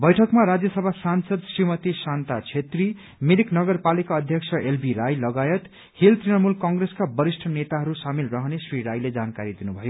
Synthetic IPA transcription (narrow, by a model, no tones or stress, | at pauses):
bʌjʈʰʌkmaɾad͡zjʌsʌbʱasansʌd̪srimʌt̪isant̪at͡sʰet̪ri | miɾiknʌɡʌrpalikaʌd̪ʱjʌksʰʌelbiɾajlʌɡajʌt̪ | hilt̪rinʌmulkʌŋɡreskabʌɾisʈʰʌnet̪aɦʌɾusamilrʌɦʌnesriɾajled͡zankaɾid̪inubʱʌjo